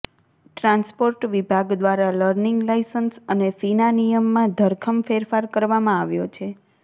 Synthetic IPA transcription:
ʈɾãnspoɾʈʋibʱaɡd̪ʋaɾaləɾniŋɡlajsənsənefinanijəmːãd̪ʱəɾkʰəmfeɾfaɾkəɾʋamãaʋjot͡ʃʰe

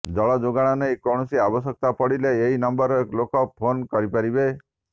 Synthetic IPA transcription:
d͡ʒɔɭad͡ʒoɡaɽ̃anejkoɽ̃ɔsiabɔs̬ɔk̚t̪apɔɽileːɦinɔmbɔɾɔeklokɔpʰonkɔɾipaɾibe

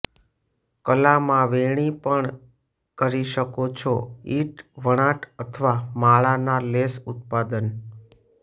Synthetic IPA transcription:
kəlamãʋeɽ̃ipəɳ | kəɾiʃəkot͡ʃʰoiʈʋəɽ̃aʈʰət̪ʰəʋamaɭanalesʊt̪̚pad̪ən

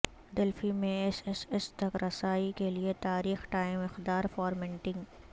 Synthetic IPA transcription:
d̪ɪlfimẽesesest̪ɐkɾɐsaːikeliet̪aːɾiːxʈaːɪmɪxd̪aːɾfɔːɾmɛ̃ɳʈɪ̃ŋɡ

